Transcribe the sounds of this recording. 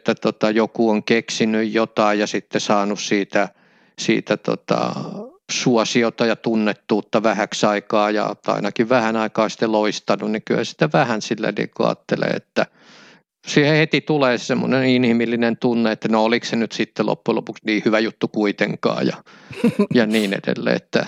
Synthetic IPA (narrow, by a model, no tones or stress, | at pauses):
t̪ːæt̪ot̪ɑjokuoŋkeksinyjjot̪ɑijjɑsit̪ːesɑːnussiːt̪æ | sḭːt̪æt̪o̰t̪ɑ̰suɔsiot̪ɑjɑt̪unːet̪ːuːt̪ːɑʋæhæksɑikɑːjɑ̰ɑ̰inɑkiʋʋæhænɑikɑːsi̥t̪ːeloist̪ɑnunnikyhæ̰si̥t̪ːæʋæhænsilːæ̰nḭːkuɑ̰ːt̪ːelḛːḛt̪ːæ | siːhehet̪it̪uleːsemːo̰neninhimilːinent̪unːeet̪ːænooliksenyt̪sit̪ːelo̰pːulo̰puksniːhyʋæjut̪ːukuit̪eŋkɑ̰ːjɑ̰ | jɑniːnḛdḛlːḛːet̪ːæ̰